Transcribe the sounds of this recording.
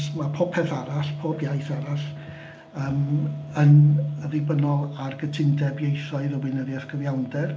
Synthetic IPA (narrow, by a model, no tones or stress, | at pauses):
smapʰoːpʰɛθaɾaɬpʰoːbjaɨθaɾaɬ | əːmənəðɪbənɔlˠarɡətʰɪndɛbjejθɔɨðəwɨnəðjɛθɡʰəvjawndɛr